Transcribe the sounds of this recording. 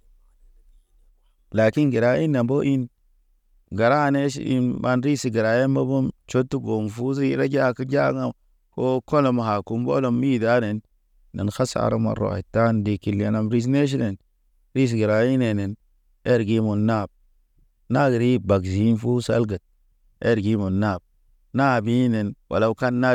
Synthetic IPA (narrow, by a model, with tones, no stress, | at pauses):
la˨ki˦nɡi˨ɾa˦i˦nːa˨mbo˦ʔi˦n | ɡa˨ɾa˦˨ne˦ʃḭ˦nma˦nɾi˦si˨ɡi˨ɾa˨je˦mbo˦bo˦mt͡ʃo˦tːu˦ɡo˨m˨fu˦zi˦ɾa˦d͡ʒa˦ki˦d͡ʒa˦ŋa˦ | ko˦ko˦lo˨ma˨ha˨ku˨mbo̰˦lo˨mi˦˨da˦ne˨nː | ḛ˨nxa˦sa̰˨ɾa˦ma̰˨ɾo̰˨a̰˨ta˦ndi˨ki˨lːi˨a˨na˨mɾi˦s̬ne˦ʃ̬i˦ne˨n | ɾi˦s̬i˨ɡi˨ɾa˨ji˦ne˨ne˨n | e˦ɾɡi˦mo˨nːa˦˨b̚ | na˦ɡi˨ɾi˦ba˨ɡzi˨˦nfu˦sa̰˦lɡa˨t̚ | e˦ɾɡi˦mo˨nːa˦˨b̚ | na˦˨bi˦ne˨nwʔa̰˨la˨˦ka˦nːa˦